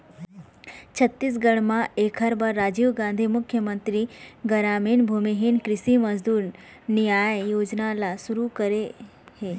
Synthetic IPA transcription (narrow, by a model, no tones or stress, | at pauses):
t͡ʃʰɐt̪ːis̬ɡɐɽ̃mãeːkʰɦəɾbaɾːaːd͡ʒiːʋɡãːnd̪ʱimʊkʰːjəmə̃nt̪ɾiɡɐɾaːminbʱumiɦinkɾɪsimɐzd̪uːɾ | nijaːjjoːd͡ʒnalasʊɾukəɾe | heː